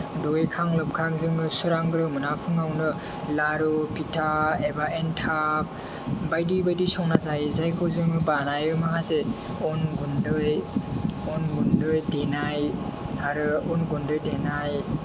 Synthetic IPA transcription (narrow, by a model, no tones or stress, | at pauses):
dojkʰaŋlɯp̚kʰak̚zɯŋɯsuɾaŋɡɾɯmɯnapʰuŋawnɯ | laɾɔpʰitʰaebaʔentʰap̚ | bajdibajdisɔwnazajzajkʰɯwzɯŋɯbanajɯmakʰase | ɔnɡundɯj | ɔnɡundɯjdenajaɾɯɔnɡundɯjdenaj